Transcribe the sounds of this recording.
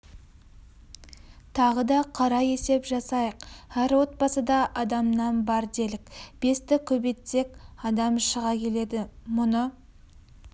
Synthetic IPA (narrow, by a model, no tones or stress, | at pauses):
t̪ʰɑʁəd̪ɑqʰɑɾɑje̞se̞pʒɑsɑjəqæɾwo̞t̪̚pɑsəd̪ɑʔɑd̪ɑmnɑnbɑɾd̪e̞lɪk̚b̥e̞st̪ɪkʲʰɵbe̞t̪se̞kɑd̪ɑmʃəʁɑkʲʰe̞le̞d̪ɪmʊnə